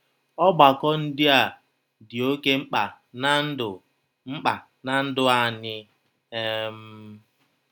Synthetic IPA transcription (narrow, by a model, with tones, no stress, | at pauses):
ɔ˦ɡ͡ba˨kɔ˦n̩˦dɪ˦a˨ | dɪ˨o˦ke˦ŋ͡m̩˦k͡pa˨ | na˦n̩˦dʊ˨ | ŋ͡m̩˦k͡pa˨ | na˨n̩˦dʊ˦a˨ɲɪ˦ | e˦m̩˦